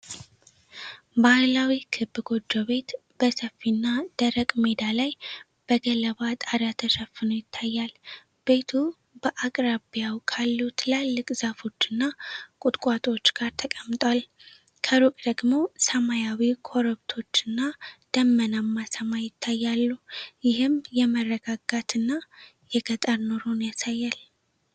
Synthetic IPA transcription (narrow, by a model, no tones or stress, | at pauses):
bahlawikʰɨbːɨɡo̞d͡ʒːoβe̞t̪ | b̥əsəfːinːad̪̥əɾəkʼmed̪alaj | b̥əɡələβat̪ʼaɾat̪ʰəʃəfːɨno̞jɪt̪ʰːajːal | b̥e̞t̪ʰu | b̥əʔakʼɾabijawkʰalːut̪ʰɨlalːɨkʼzafo̞t͡ʃːɨnːakʼʊt̪ʼkʼat̪ʼo̞t͡ʃːɡ̥aɾt̪ʰəkʼəmt̪ʼwal | kʰəɾukʼd̪əɡmo̞səmajawikʰo̞ɾəβt̪ʰo̞t͡ʃːɨnːad̪̥əmːənamːasəmajɪt̪ʰːajːalːujɪɦɨmjɛmərːəɡaɡat̪ʰɨnːa | jɛɡət̪ʼəɾnoɾonjasajːal